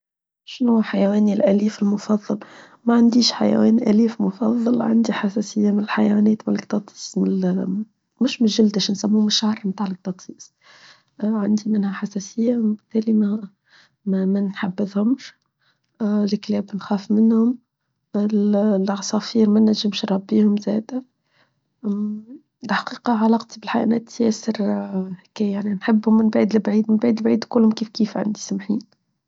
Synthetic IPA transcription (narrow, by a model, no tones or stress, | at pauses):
ʃnuːħajwɛːnilʔæliːfɪlmʊfɑðˤːɑl | maʕand̪iːʃħa̰jæ̰wɛ̰ːnʔæliːfmʊfɑðˤːɑlʕa̰nd̪iħasæsɪjːamɪnɪlħajwɛːnɛːt̪mɪnkt̪ɑt̪ˤi̥ːsm | mʊʃmɪnʒɪld̪ɪʃnsæmːumɪʃʕɑrˤmt̪aːʕlɪk̚t̪ɑt̪ˤsiːsˤ | ʕand̪imɪnhæħasæsɪjːawbɪt̪ːɛːlimæ | mmænħabːəðhʊmʃ | lklɛːbnxæːfmɪnhʊm | ɪllʕɑsˤɑːfiːɾmænːæʒːɪmʃɾˤɑbːiːhʊmzæːd̪æ | ɪlħḁqiːqɑʕalɑqt̪ibɪlħaʔnæːt̪jɛːsəɾhkæjaʕninħɪbːʊmɪnbʕiːd̪lbʕiːd̪mɪnbʕiːd̪lbʕiːd̪kʊlːhʊmkiːfkiːfʕa̰nd̪isamħiːn